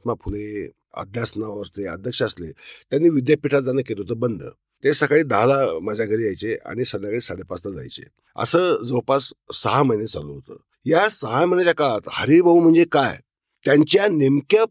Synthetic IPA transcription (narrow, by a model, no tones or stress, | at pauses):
t̪mapʰule | ə̰d̪ʱjasnaʋəɾt̪eə̰d̪ʱjəkʂəəslḛt̪janːiːʋid̪japiʈʰat̪̚d͡zanəkeleɦot̪əːbənd̪ʱə̰ | t̪esəkaɭiːd̪aɦlaməd͡zaɡʱəɾiːajt͡sea̰ɽ̃isəd̪jakaɭiːsaɽepaslad͡za̰jt͡ɕḛ | ə̰səːd͡zəwpasːəɦaməjnet͡sa̰loɦot̪ə̰ː | jasəɦajmənet͡ɕakaɭat̪həɾibʱaum̤əɳd͡zekaj | t̪jaɲt͡ɕjanemkja